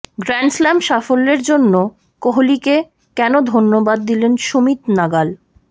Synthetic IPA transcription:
ɡɾɛnslɛmʃafolːeɾd͡ʑonːo | koɦolike | kɛnod̪ʱonːobad̪̚ːilenʃomit̪naɡal

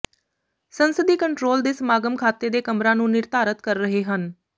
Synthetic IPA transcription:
sənsəd̪iːkəɳʈɾoːld̪eːsəmaːɡəmkʰaːt̪eːd̪eːkəmɾãːnũːnɪɾt̪aːɾət̪kəɾːəɦeːɦən

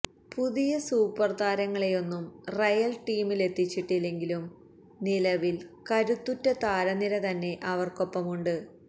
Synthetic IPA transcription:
puðijɐsuːpɐrt̪aːɾɐŋːɐɭejo̞nːumrɐjɐlʈiːmile̞t̪ːit͡ɕːiʈːilːe̞ŋɡilum | nilɐʋilkɐɾut̪ːutːɐt̪aːɾɐniɾɐt̪ɐnːe̞ʔɐʋɐrko̞pːɐmuɳɖɨ

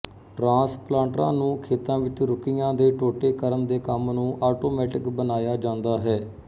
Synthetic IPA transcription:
ʈɾãːsplãːɳʈɾãːnũːkʰeːt̪ãːʋɪt͡ʃɾʊkɪjãːd̪eːʈoːʈeːkəɾəmd̪eːkəmnũːʔaːʈoːmɛːʈɪkbənaːjaːd͡ʒãːnd̪aːɦɛː

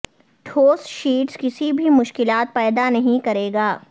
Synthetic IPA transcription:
ʈʰoːsʃiːʈskɪsibʱimʊʃkɪlaːt̪̚pɛːd̪anɐɦĩkɐɾeːɡaː

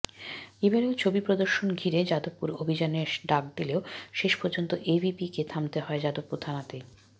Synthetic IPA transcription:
ebʱaɾeot͡ɕʰobipɾod̪oɾʃonɡʱiɾed͡ʑad̪opːuɾobʱid͡ʑaneʃɖak̚d̪ileoʃeʃpoɾd͡ʑont̪oʔebʱipiket̪ʰamt̪eɦɔed͡ʑad̪opːuɾt̪ʰanat̪e

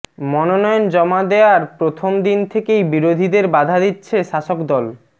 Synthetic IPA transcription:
mɔnonɔjond͡ʑɔmad̪eaɾpɾot̪ʰomd̪int̪ʰekejbiɾod̪ʱid̪eɾbad̪ʱad̪itːɕʰeʃaʃokd̪ɔl

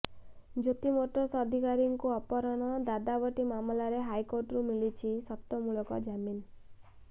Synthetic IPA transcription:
d͡ʒot̪imoʈɔsɔd̪ʱikaɾiŋkuɔpɔɾɔɽ̃ɔd̪ad̪abɔʈimamlaɾeɦajkoɾʈɾumilit͡ʃʰisɔt̪ɔmuɭɔkɔ̰d͡ʒamin

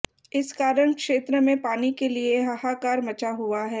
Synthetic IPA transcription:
ɪskaːɾəɳ̃kʃeːt̪ɾəmẽpaːnikelieɦɐhakaːɾmɐt͡ʃaɦʊaɦɛː

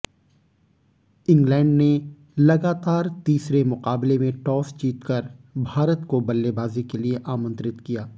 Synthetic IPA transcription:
ɪ̃ŋɡlɛ̃ːɳɖne | lɐɡaːt̪aːɾt̪iːsɾemʊqaːblemẽʈɔːst͡ʃiːt̪kəɾbʱaːɾət̪kobɐlːebaːzikelieʔaːmə̃nt̪ɾɪt̪kijaː

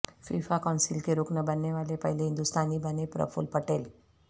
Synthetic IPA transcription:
fḭfakɔnsilkeɾoknəbənːeʋalepə̰ɦileɦĩnd̪ust̪ʰanibənepɾə̰fṵlpəʈel

